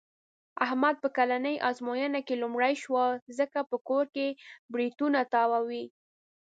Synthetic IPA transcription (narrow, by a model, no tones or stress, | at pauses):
ahmad̪̚pəkalanəjʔɑzmojənakelumɽajʃwazəkapəkoɾkebɾit̪unat̪ɑwawi